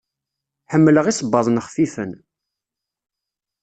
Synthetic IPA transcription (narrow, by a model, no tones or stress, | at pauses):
ħəmːləʁisˤəbːɑðˤnəχfifən